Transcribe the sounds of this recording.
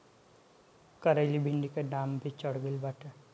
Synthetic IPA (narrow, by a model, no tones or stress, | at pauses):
kəɾəɪlibʱiɳɖikeɖaːmbʱit͡ʃəɽɡəlbaːʈʰe